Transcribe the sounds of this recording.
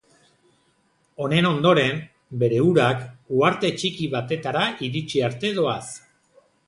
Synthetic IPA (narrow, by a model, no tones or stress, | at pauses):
o̞ne̞no̞nd̪o̞ɾe̞m | be̞ɾe̞uɾakuaɾt̪e̞t͡ʃikiβat̪e̞t̪aɾaiɾit͡ʃiaɾt̪e̞ðo̞as